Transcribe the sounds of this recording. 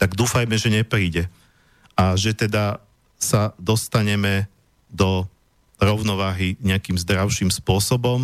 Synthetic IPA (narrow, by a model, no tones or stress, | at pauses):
t̪aɡd̪uːfajmɛʒɛɲɛpɾiːɟɛ | ʔaʒɛt̪ɛd̪a | sad̪ɔst̪aɲɛmɛ | d̪ɔ | ɾɔʊnɔʋaːɦiɲɛakiːmzd̪ɾaʊʃiːmspʊɔsɔbɔm